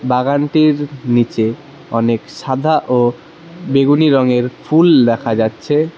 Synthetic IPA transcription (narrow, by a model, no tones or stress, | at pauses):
baɡaɳʈiɾnit͡ɕe | ɔ̰nekʃad̪ʱaʔo | beɡuniɾɔŋeɾfʰuld̪ɛkʰad͡ʑatːɕʰe